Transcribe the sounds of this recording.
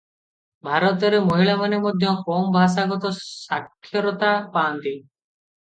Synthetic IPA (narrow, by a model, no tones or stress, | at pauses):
bʱaɾɔt̪ɔɾemɔɦiɭamanemɔd̪ʱjɔkɔmbʱas̬aɡɔt̪ɔsakʰːjɔɾɔt̪apaːnt̪i